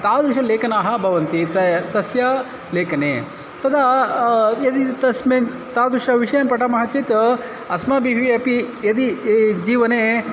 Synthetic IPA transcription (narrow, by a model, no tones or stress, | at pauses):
t̪aːd̪ɾuʃɐleːkɐnaːɦɐbʱɐʋɐnt̪it̪ɐt̪ɐsja | leːkɐneː | t̪ɐd̪a | jɐd̪it̪ɐsmeːn | t̪aːd̪ɾuʂɐʋiʂɐjɐmpɐʈɐmɐɦɐt͡ʃit̪ | ɐsmɐbiɦʋiɐpijɐd̪id͡ʒiːʋɐneː